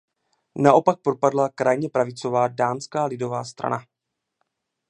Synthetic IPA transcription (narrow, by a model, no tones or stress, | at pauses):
naʔo̞pak̚pɾopadlakɾʔajɲɛpɾavɪt͡so̞vaːdaːnskaːlɪdo̞vaːst̪ɾa̰na